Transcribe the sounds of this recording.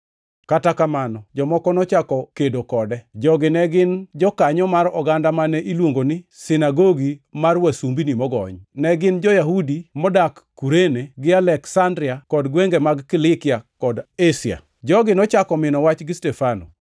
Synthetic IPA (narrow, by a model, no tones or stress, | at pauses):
katakamanɔd͡ʒɔmɔkɔnɔt͡ʃakɔkedokɔdɛd͡ʒɔɡɪnɛɡɪnd͡ʒɔkaɲɔmaɾɔɡandamanɛʔilwoŋɡonɪsɪnaɡoɡimarwasumbinimɔɡɔ̰ɲnɛɡɪnd͡ʒɔjaɦudimɔdakː | uɾeneɡɪalɛksandɾɪakɔdɡweŋɡemaɡkɪlɪkɪakɔdesɪa̰ | d͡ʒɔɡɪnɔt͡ʃakɔmɪnɔwat͡ʃɡɪstɛfano̰